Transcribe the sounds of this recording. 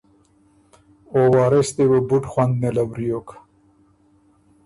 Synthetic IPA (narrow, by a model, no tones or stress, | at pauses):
owɑːɾest̪ewebuʈxwand̪̚melabɾijokḁ